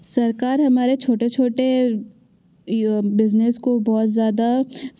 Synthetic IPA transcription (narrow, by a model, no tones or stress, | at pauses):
sɐɾkaːɾɦɐmaːɾet͡ʃʰoːʈet͡ʃʰoːʈe | bɪzneskobɔːt̪zjaːd̪a